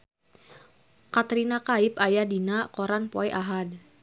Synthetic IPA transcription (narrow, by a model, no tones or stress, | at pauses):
kat̪ɾinakaip̚ajadinakoɾanpoɛʔaɦad